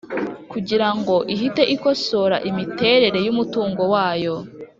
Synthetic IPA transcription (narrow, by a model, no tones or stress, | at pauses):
kuɟiɾaŋɡo̞ʔiɦite̞ʔiko̞so̞ɾaʔimite̞ːɾe̞ɾe̞jumutuːŋɡo̞waːjo̞